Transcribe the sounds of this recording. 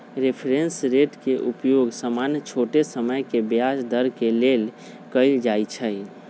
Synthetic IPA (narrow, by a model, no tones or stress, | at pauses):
ɾepʰɾẽnsɾeʈkeʔupjoɡsəmanjət͡ʃʰoʈesəməjkebjasd̪əɾkelel | kəɪld͡ʒait͡ʃʰəj